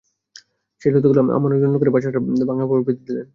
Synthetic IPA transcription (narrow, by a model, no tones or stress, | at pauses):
ʃelot̪̬oɡuloamʔa̰manod͡ʑonːokoɾebaʃaʈabaŋlapoɾbid̪ʱid̪ilen